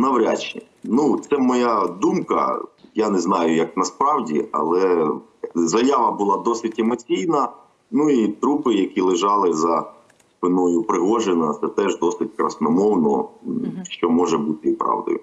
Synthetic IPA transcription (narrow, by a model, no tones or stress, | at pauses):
nɐwɾʲa̰t͡ʃɛ | nut̪sɛmɔjad̪umkɐ̰janɛznɑjʊjɐk̚nɐspɾɑwdʲḭɐ̰lˠɛ | zɐjaʋɐbʊlˠɑd̪ɔsɪtʲɛmɔt͡sʲijnɐ | nuit̪ɾupɪjɐkʲilˠɪʒɑlˠɪzɐ | spɪnɔjʊpɾɪɦɔʒenɐt̪sɛt̪ɛʒd̪ɔsɪt̚ʲkɾɐ̰snɔmɔwnɔ̰ | ʃt͡ʃɔmɔʒɛbut̪ɪipɾɑ̰wd̪ʊ̰jʊ̰